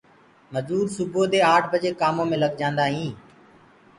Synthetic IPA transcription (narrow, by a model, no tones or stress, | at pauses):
məzuːɾsʊbʱoːd̪eːaːʈʰbəd͡ʒeːkaːmõːmẽːləɡd͡ʒãːnd̪aːɦĩː